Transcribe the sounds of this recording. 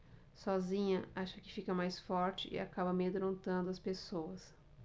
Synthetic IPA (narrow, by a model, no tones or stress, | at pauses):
sɔzĩɲɐaʃɐkɪfikɐmajsfɔɾt͡ʃɪʔɪ̰a̰kabɐmed̪ɾõnt̪ɐ̃nd̪ʊɐspesowɐs